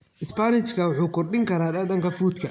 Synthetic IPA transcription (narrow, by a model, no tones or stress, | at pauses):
ʔɪspanɪt͡ʃkʰɐwɑħuːkʰɔrɖɪŋkʰɐɾaːd̪ɐd̪ɐŋkʰɐfuːt̪kʰɐ